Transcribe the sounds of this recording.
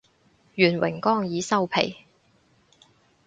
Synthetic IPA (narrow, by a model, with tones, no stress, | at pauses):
jyː˨˩nwɪ̰˨˩ŋkɔː˥ŋjiː˨˧sɐ˥wpʰḛ˨˩j